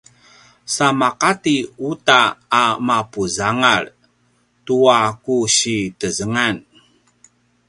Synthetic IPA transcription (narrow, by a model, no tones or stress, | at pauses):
samaqatiutaːmapuzaŋar | tuakuɕitəzəŋan